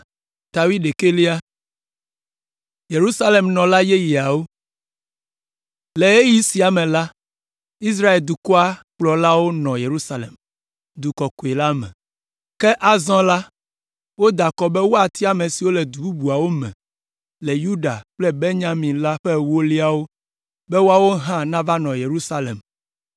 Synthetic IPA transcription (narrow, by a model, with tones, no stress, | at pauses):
t̪a˨wi˦ɖe˨ke˦li˦a˦ | je˨ɾu˦sa˦le˨mnɔ̃˨la˦je˦ji˨a˨wo˦ | le˨e˦ji˦si˨a˨mɛ̃˨la˦ | i˦s̬ɾa˦e˨ld̪u˨kɔ˦a˦k͡plɔ˨la˦wo˦nɔ̃˨je˨ɾu˦sa˦lḛ˨m | d̪u˨kɔ˨ko˨e˨la˦mɛ̰̃˨ | kɛ˦ʔa˨zɔ̃˦la˦ | wo˦d̪a˨kɔ˨bɛ˦wo˦a˨t̪i˦a˨mẽ˨si˨wo˦lɛ˨d̪u˨bu˦bu˨a˨wo˦mɛ̰̃˨ | le˨ju˦ɖa̰˨k͡plɛ˦be˦ɲã˦mĩ˨la˦ɸɛ˦wo˦li˦a˦wo˦ | bɛ˦wo˦a˦wo˦ɦã˦nã˦va˦nɔ̃˨je˨ɾu˦sa˦lḛ˨m